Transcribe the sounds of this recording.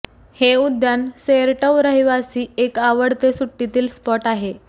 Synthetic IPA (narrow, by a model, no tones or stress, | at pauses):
heud̪janseɾʈəwɾəɦiʋasiːekaʋəɽt̪esuʈːit̪iːlspɔʈaɦe